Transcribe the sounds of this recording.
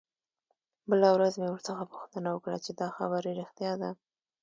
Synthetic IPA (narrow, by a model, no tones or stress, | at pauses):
bəlawɾazmewəɾt͡səxapu̥xt̪ənawəkɽa̰t͡ʃed̪ɑxabaɾiɾɪxt̪jɑd̪a